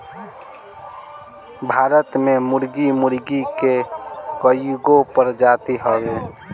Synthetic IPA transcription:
bʱaːɾət̪memʊɾɡimʊɾɡikekəjɡopəɾd͡ʒaːt̪iɦəbe

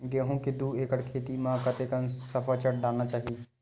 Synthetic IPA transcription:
ɡeɦũked̪ueːkəɽkʰeːt̪imãkət̪ekənsəpʰət͡ʃəʈ̚ɖaːlnat͡ʃaːɦi

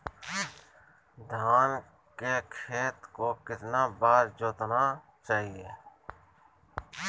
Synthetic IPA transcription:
d̪ʱaːn | kekʰeːt̪kokɪt̪nabaːɾd͡ʒoːt̪na | t͡ʃaːɦieː

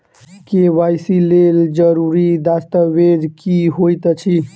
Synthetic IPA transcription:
keʋajsileld͡ʒəɾuɾid̪ast̪abed͡ʒkiɦojt̪t͡ʃʰi

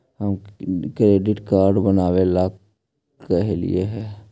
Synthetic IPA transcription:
ɦəmkɾeːɖɪʈkaːɾɖbənaːʋelaːk | əɦelḭeɦɛː

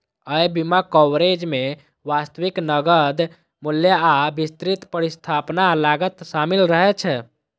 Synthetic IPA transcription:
əjbimakɔwɾed͡ʒme | ʋast̪wiknəɡəd̪ | muljaabist̪ɾit̪pəɾist̪ʰapnalaɡət̪samilɾəɦɛt͡ʃʰɛ

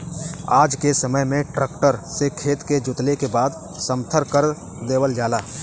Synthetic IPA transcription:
aːd͡ʒkesəməjmẽʈɾəːkʈəɾsekʰeːt̪ked͡ʒʊt̪lekebaːd̪ | sə̃mt̪ʰəɾkəɾ | d̪eːwəld͡ʒaːlaː

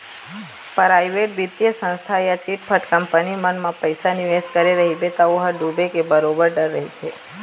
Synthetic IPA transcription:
pɾajʋeʈʋit̪jəsə̃nst̪ʰaejat͡ʃiʈpʰəʈkəmpənimənmãpəjsaniʋeskəɾiɾəɦibet̪əʋoɦəɖubʱekebəɾobəɾɖəɾːəɦit͡ʃʰe

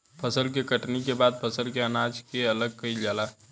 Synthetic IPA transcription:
pʰəsəlk̬ekəʈnikebaːd̪̚pʰəsəlkeənad͡ʒkeələɡ̚kəid͡ʒala

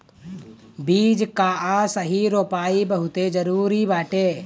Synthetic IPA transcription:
biːd͡ʒkaːʔãsəɦiɾoːpaːibəɦʊt̪ed͡ʒəɾuːɾibaːʈe

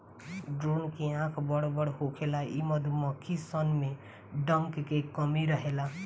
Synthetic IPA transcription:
ɖɾonkeãkʰbʌɽobʌɽɦokʰelaimʌd̪ʱumʌkʰːisʌnme | ɖʌŋkkekʌmiɾʌɦela

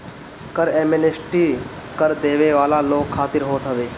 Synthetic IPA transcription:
kəɾeːmenesʈiː | kəɾd̪eːʋeːʋaːlaːloːkʰːaːt̪ɪɾɦoːt̪ɦəʋeː

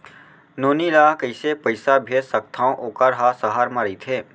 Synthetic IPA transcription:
noːnilaːkəɪsepəɪsabʱeːd̪sək̚t̪ʰaːõʔoːkəɾɦasəɦaːɾməɾit̪ʰeː

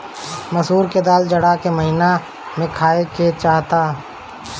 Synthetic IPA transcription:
mɐsuːɾked̪aːld͡ʒɐɽaːkemɐɦina | mẽkʰaːeket͡ʃaːɦt̪aː

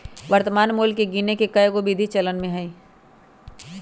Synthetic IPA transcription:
ʋəɾt̪əmaːnmoːlkeɡiːnekekɐjɡobid̪ʱit͡ʃɐlənmẽɦɛĩ

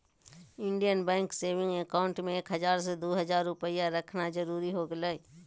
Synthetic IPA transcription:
ɪ̃ɳɖijənbɛ̃ːŋkseːʋɪ̃ŋɡekaːʊ̃ɳʈmẽeːkɦəzaːɾs̬ed̪oːɦəzaːɾːʊpəijaɾəkʰnad͡ʒəɾuːɾiɦoːɡələi

